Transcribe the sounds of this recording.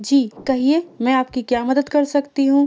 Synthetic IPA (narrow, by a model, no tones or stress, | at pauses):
d͡ʒiːkɐɦieːmɛ̃aːp̚kikjaːmɐd̪əd̪kɐɾsɐkt̪iɦũː